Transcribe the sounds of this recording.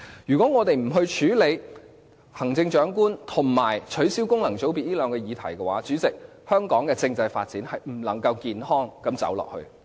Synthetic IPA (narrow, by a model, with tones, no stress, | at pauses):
jyː˨˩kʷɔː˨˥ŋɔː˨˧t̪e˨jm̩˨˩ɦɵ˧ɥt͡ʃʰyː˨˥le˨˧j | hɐ˨˩ŋt͡sɪ˧ŋt͡ʃœː˨˥ŋkuː˥nt̪ʰʊ˨˩ŋmaː˨˩jt͡ʃʰɵ˨˥ɥsiː˥wkʊ˥ŋlɐ˨˩ŋt͡so˨˥wpi˨t̚liː˥lœː˨˧ŋkɛː˧jiː˨˧t̪ʰɐ˨˩jkɛ˧waː˨˥t͡syː˨˥t͡sɪ˨k̚ | hœː˥ŋkɔː˨˥ŋkɛː˧t͡sɪ˧ŋt͡sɐ˧jfa̰ː˧t̚t͡siː˨˥nhɐ˨jm̩˨˩lɐ˨˩ŋkɐ˧wkiː˨nhɔː˥ŋkɐ˨˥mt͡sɐ̰˨˥wlɔ̰ː˨k̚hɵ̰˧ɥ